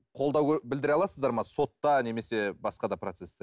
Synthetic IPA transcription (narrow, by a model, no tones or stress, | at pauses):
qʰo̞lˠd̪ɑwʲbɪld̪ɪɾɑlˠɑsəzd̪ɑɾmɑso̞t̪ːɑne̞me̞se̞bɑsqɑd̪ɑpɾo̞t̪sest̪e